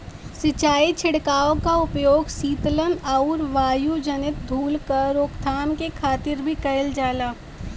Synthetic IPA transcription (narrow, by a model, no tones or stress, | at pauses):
sɪt͡ʃaːit͡ʃʰɪɽkaːõkaʊpjoːɡsiːt̪lənaʊɾʋaːjud͡ʒənɪt̪̚d̪ʱuːlkəɾːoːkt̪ʰaːmkekʰaːt̪ɪɾbʱikɐɪld͡ʒaːlaː